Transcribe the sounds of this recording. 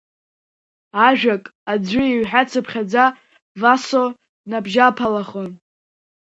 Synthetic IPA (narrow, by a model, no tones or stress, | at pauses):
aʒᶣakʼad͡zʷʏiɥħᶣat͡sʰɨpʰχʲad͡za | vaso | nabʒapʰalaχon